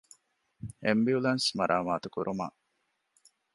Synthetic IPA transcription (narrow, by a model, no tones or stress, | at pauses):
embiulɐnsmɐɾʔaːmaːt̪ukuɾuma̰ː